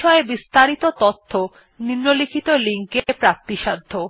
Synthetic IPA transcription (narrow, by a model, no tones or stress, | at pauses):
ɔebist̪aɾit̪ot̪ot̪ʰːo | niɾnːolikʰit̪oliŋkepɾak̚t̪iʃad̪ʱːo